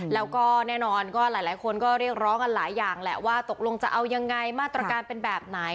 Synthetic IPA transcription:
lɛː˦˥wkɔː˥˩nɛː˥˩nɔː˧nkɔː˥˩laː˩˦jlaː˨˩˦jkʰo˧nkɔː˥˩ɾi˥˩ək̚ɾɔː˦˥ŋʔa˧nlaː˩˦jːaː˨˩ŋlɛ̰˨˩waː˥˩t̪o˨˩k̚lo˧ŋt͡ɕa˨˩ʔa˧wja˧ŋːa˧jmaː˥˩t̪ɾa˧kaː˧npe˧nbɛː˨˩p̚na˨˩˦j

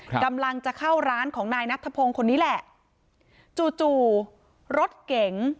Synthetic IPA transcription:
ka˧mla˧ŋt͡ɕa˨˩kʰa˥˩wɾaː˦˥nkʰɔː˩˦ŋnaː˧jna˦˥t̪ʰːa˧˩pʰoː˧ŋkʰo˧nːiː˦˥lɛ˧˩ | t͡ɕuː˨˩t͡ɕuː˨˩ | ɾo˦˥t̪̚ke˨˩˦ŋ

